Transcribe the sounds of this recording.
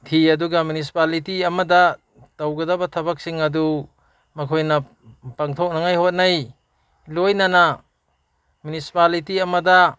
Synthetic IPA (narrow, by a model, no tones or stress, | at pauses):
tʰiɐduɡamunis̬i̥palitiɐmɐdɐ | tɐwɡɐdɐbɐtʰɐbɐk̚siŋɐdu | mɐkʰojnɐ | paŋtʰok̚naŋajhot̚naj | lojnana | munisi̥palitiɐmɐdɐ